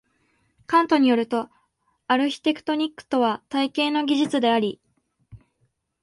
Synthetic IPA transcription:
kãnt̪o̞ɲ̟ijo̞ɾɯ̟t̪o̞ | aɾɯ̟çʲi̥t̪e̞kɯ̟̥t̪o̞ɲ̟ikːɯ̥t̪o̞βat̪aikẽ̞ːno̞ɡʲiʑit͡sɨd̪e̞aɾʲi

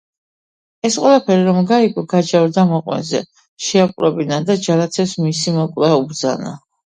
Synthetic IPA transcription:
ɛsqʼwɛlˠapʰɛɾiɾɔmɡaikʼɔɡad͡ʒavɾd̪amɔqʼwɛ̰zɛ̰ | ʃɛakʼɾɛbinad̪ad͡ʒalat̪sʰɛpsmisimɔkʼlaubɾd̪za̰na̰

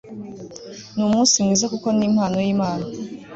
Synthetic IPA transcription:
numunsimŋiːzakuko̞niːm̥haːnojiːmaːna

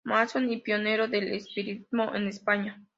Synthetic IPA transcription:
masonipjoneɾoðelespiɾit̪moʔḛnespaɲa

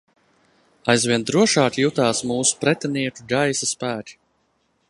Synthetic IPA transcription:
ajzvʲiɛnd̪ɾuɔʃaːkʲjut̪aːsmuːsu̥pɾɛt̪ʲɛniɛkuɡajsaspæːtʲi̥

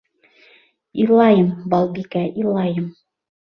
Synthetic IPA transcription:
ilˠɑjɤmbɑlˠbikæʔilˠɑjɤm

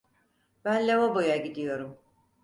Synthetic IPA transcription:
b̥ænlʲevabo̞jaɟid̪ijo̞ɾum

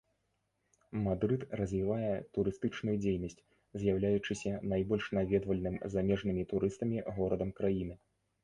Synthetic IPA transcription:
mad̪ɾɨt̪rɐzʲvʲivajɛt̪uɾɨst̪ɨt͡ʂnujud͡zʲejnɐsʲt͡sʲ | zʲjawlʲajut͡ʂɨsʲɐnajbɔlʲʂnavʲɛd̪vɐlʲnɨmzamʲɛʐnɨmʲit̪uɾʔɨst̪ɐmʲiɣɔɾɐd̪ɐmkɾajinɨ

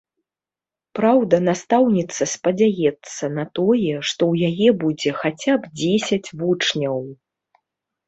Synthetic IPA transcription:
pɾawd̪ɐnast̪awnʲit̪sːɐspɐd͡zʲajɛt̪sːɐnɐt̪ɔjɛʂt̪ɔwjajɛbud͡zʲɛxat͡sʲabd͡zʲesʲɐt͡sʲvut͡ʂnʲɐw

